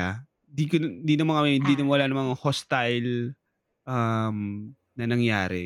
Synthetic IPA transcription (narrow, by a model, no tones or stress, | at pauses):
a | d̪ikond̪iːnɐmɐŋɐmɛɪnd̪iːnɐmɐwɐlaːnɐmɐŋahost̪ɐjl | ʔɐm | nɐnɐŋjaːɾɛ̰